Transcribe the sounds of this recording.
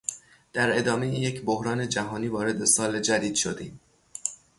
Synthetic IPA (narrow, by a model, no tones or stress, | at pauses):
d̪̥æɾe̞d̪ɒːme̞jejecʰbohɾɒːne̞d͡ʒæɦɒːniːvɒːɾe̞d̪e̞sɒːled͡ʒæd̪iːd̪̥ʃo̞d̪iːm